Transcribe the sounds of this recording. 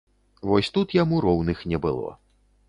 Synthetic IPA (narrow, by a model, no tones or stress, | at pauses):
vɔsʲt̪ut̪jamuɾɔwnɨxnʲɛbɨ̰lˠɔ̰